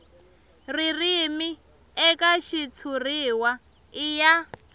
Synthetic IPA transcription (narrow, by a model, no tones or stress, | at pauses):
ririmi | ɛkʼaʃit͡sʰuriːwa | ija